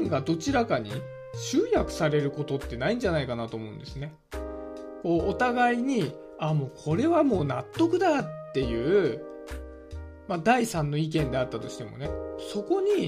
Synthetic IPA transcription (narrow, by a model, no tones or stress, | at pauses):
ŋɡad̪o̞t͡ɕiɾakaɲ̟ḭ | ɕɨːjakɯ̟̥saɾe̞ɾɯ̟ko̞t̪o̞t̪ːe̞naĩɲ̟d͡ʑanaikanat̪o̞ːmo̞ɯ̟̃nd̪esɨne̞ | ko̞ːot̪aɡaiɲ̟i | amo̞ːkʰo̞ɾe̞βamo̞ːnat̪ːo̞kɯ̟d̪at̪ːe̞jɯ̟ː | mad̪aisãnːo̞ik̬ẽ̞nd̪e̞at̪ːat̪o̞ɕi̥t̪e̞mo̞̰ne̞so̞ko̞ɲ̟i